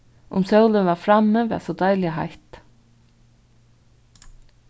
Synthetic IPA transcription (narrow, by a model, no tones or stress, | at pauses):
ʊ̰msœwlɪnvafɾamːəvɛasɔd̪ajlɪaɦa̰jht̪